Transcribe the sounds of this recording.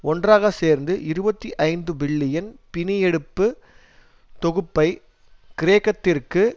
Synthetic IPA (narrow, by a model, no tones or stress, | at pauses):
ʔɔndraːɣɐseːɾnd̪ɯʔɪɾɯbɐt̪ːiʔɐɪnd̪ɯbɪɭːɪjɐnpɪnɪjɛɽɯpːɯ | t̪ɔɣɯpːɐɪ | kɪɾeːkːɐt̪ːɪrkɯ